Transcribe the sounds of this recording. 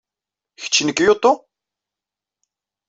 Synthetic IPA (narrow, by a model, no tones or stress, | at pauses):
çə̥t͡ʃːnəkjot̪ˤːo